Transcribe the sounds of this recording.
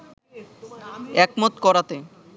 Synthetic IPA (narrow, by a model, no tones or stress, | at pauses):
ɛkmot̪kɔɾat̪e